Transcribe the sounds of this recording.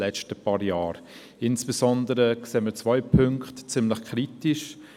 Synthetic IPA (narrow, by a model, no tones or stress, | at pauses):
lɛt͡ʃtəpɑːɾjaːɾ | ɪnsb̥esɔndəɾəkseːmət͡svɔʏpʰʏŋkχtt͡sɪmləχkʰɾitiʃ